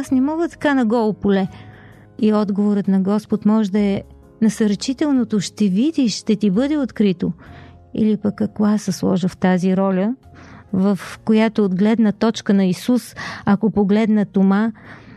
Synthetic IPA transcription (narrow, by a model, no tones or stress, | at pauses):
asnɛmɔɡət̪ɐ̥kanɐɡɔlˠopolɛ | iɔd̪ɡovoɾət̪nɐɡɔspot̪mɔʒd̪ɐɛ | nɐsəɾt͡ʃit̪ɛlˠnot̪oʃt̪ɛvid̪iʃʃt̪ɛt̪ibɤd̪ɛot̪kɾit̪o | ḭlipəkːɐkasəslˠɔ̰ʒəft̪aziɾɔlʲə | vəfkojat̪oːd̪ɡlɛd̪nət̪ɔt͡ʃkənɐisusakopoɡlɛd̪nət̪oma